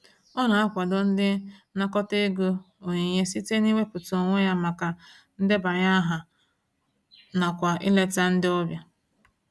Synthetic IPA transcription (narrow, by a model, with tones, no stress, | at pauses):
ɔ˦na˨a˦kʷa˨dɔ˦n̩˦dɪ˦na˦kɔ˦te˦ɡo˦ | o˨ɲi˨ɲe˦si˦te˦ni˦wʷe˦pʊ˨to˨ŋʷe˦ja˦ma˨ka˨ | n̩˦dɪ˦ba˨ɲa˦ɦa˨ | na˨kʷa˨ḭ˦le˦ta˦n̩˦dɪ˦ɔ˦bja˦